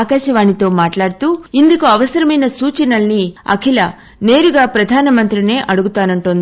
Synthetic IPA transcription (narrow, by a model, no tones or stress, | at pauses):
kaːʃɐʋaːnit̪o̞ːmaːʈlaːɽt̪uːind̪ukuɐʋɐsɐɾɐmɐjnɐsuːt͡ʃɐnɐlniɐ̰kʰilɐ | ne̞ːɾuɡaːpɾɐd̪ʱaːnɐmɐnt̪ɾine̞ːʔɐɽuɡut̪aːnɐɳʈond̪i